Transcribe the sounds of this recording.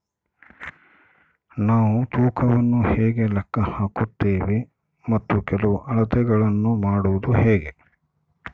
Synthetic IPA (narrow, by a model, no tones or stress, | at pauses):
naːʋut̪uːkʰɐʋɐnːuhɛːɡe̞lɛkːɐhaːkut̪ːeːʋe | mɐt̪ːukɛlɐʋuʔɐɭɐt̪ɛɡɐɭɐnːumaːɽuʋud̪uhɛːɡe̞